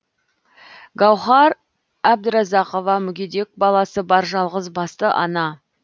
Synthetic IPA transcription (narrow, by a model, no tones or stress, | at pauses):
ɡɑwχɑɾ | æb̚d̪əɾɑzɑqo̞vɑmʏɡʲed̪e̞k̚bɑlˠɑsəbɑɾʒɑlˠʁəzbɑst̪əʔɑ̰nɑ